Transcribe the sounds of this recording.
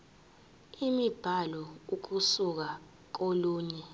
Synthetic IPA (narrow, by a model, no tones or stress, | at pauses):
imib̥ʱalɔuk̬usuk̬a | k̬oluːɲɛ